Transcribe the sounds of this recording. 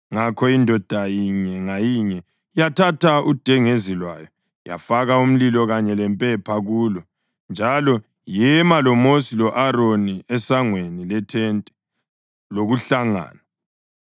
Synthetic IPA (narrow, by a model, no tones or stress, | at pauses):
ŋakʰɔindʱɔd̥ʱajiɲɛŋajiɲɛ | jatʰatʰaud̥ʱɛŋezilwajɔ | ja̰faɣaum̩lilɔɣaɲɛlɛmpʼɛpʰaɣuːlɔ | nd͡ʒʱalɔ | jɛmalɔmosilɔʔaɾoniɛsaŋwenilɛtʰɛntʼɛ | loɣuɬaŋa̰ːna